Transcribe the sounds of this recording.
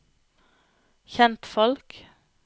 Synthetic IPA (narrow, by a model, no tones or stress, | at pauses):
çɛnt̪fɔlk